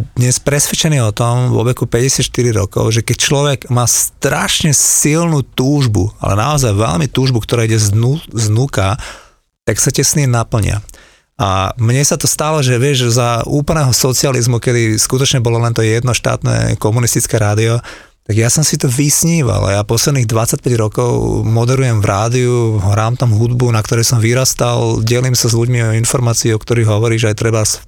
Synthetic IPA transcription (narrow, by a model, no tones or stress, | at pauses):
d̪ɲɛspɾɛsʋɛt͡ʃɛniːɔt̪ɔmʋɔ̰ʋɛkupɛɟɛsɪat̪ʃt̪iɾiɾɔ̰kɔ̰ʊʒɛkɛc̚t͡ʃlɔʋɛɡmaːst̪ɾaʃɲɛsilnut̪uːʒbṵa̰lɛ̰na̰ɔzajʋɛ̰lmit̪uːʒbukt̪ɔɾaːiɟɛznuznuka | t̪aksacɛsniɛnapl̩ɲɪ̰a̰ | a̰mɲɛsat̪ɔst̪alɔʒɛʋɪɛʒzauːpl̩nɛːɦɔsɔt͡sializmukɛd̪iskut̪ɔt͡ʃɲɛbɔlɔlɛnt̪ɔjɛd̪nɔʃt̪a̰ːt̪nɛ̰kɔmunist̪it͡skɛɾaːd̪iɔ | t̪aɡjasɔmsit̪ɔʋisɲiːʋa̰la̰japɔslɛd̪niːɣd̪ʋat͡sːac̚pɛɟɾɔkɔʊmɔd̪ɛɾujɛmvɾʔaːd̪iuɦɾaːmt̪amɦud̪bunakt̪ɔɾɛjsɔmʋiɾast̪alɟɛlimsazʎuɟmiɔɔinfɔɾmaːt͡siːɔkt̪ɔɾiːɣɦɔʋɔɾiːʒɛajt̪ɾɛbas